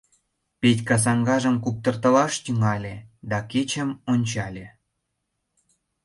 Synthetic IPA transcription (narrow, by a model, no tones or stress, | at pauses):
petʲkɑs̬ɑŋɡɑʒəmkup̚t̪ə̆rt̪ə̆lɑʃt̪yŋɑlʲed̪ɑket͡ɕə̆monʲt͡ɕɑlʲe